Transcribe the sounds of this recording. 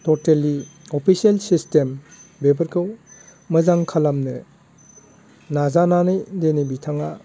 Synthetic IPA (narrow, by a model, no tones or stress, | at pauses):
tɔteli | opʰisielsistembebɐɾkʰɯw | mɐzaŋkʰalamnɯ | nazananɯjdenibitʰaŋa